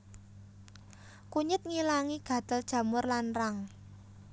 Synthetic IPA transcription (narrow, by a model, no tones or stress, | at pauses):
kuɲɪt̪̚ŋilaŋiɡ̥ä̤d̪̥əld̥ʒ̥a̤mʊrlanraŋ